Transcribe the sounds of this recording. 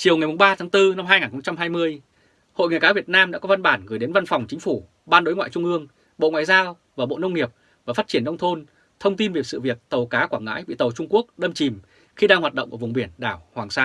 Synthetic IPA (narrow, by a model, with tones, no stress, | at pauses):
t͡ɕi˨˩əwŋa˨˩jmʊ˨˩ŋ͡mɓaː˧t̪ʰaː˨˦ŋt̪ɨ˧na˧mɦaː˧jŋaː˨˩nxə˧wŋ͡mt͡ɕa˧mɦaː˧jmɨ˧əj | ho̰˧˨jŋː˨˩jkaː˨˦vi˨˩ət̚naː˧mɗa̰ː˧˥kɔ˨˦va˧nɓaː˧˩nɣɨ˧˩jɗe˨˦nva˧nfɔ˨˩wŋ͡mt͡ɕï˨˦ŋ̟fu˧˩ | ɓaː˧nɗo˨˦jŋwa̰ː˧˨jt͡ɕʊ˧ŋ͡mʔɨ˧əŋ | ɓo̰˧˨ŋwaː˧˨jzaː˧w | vaː˨˩ɓo̰˧˨nə˧wŋ͡mŋi˨˩əp̚ | vaː˨˩faː˦˥t̚t͡ɕi˧˩ənːə˧wŋ͡mt̪ʰo˧n | t̪ʰə˧wŋ͡mt̪i˧nvi˨˩ətsɨ̰˧˨vi˨˩ək̚t̪ə˨˩wkaː˨˦kwaː˧˩ŋa̰ː˧˥jɓḭ˧˨t̪ə˨˩wt͡ɕʊ˧ŋ͡mku˦˥ək̚ɗə˧mt͡ɕi˨˩m | xi˧ɗaː˧ŋhwaː˨˩t̚ɗə̰˧˨wŋ͡mku˧˩vŋ͡mɓi˧˩ənɗaː˧˩whwaː˨˩ŋsaː˧n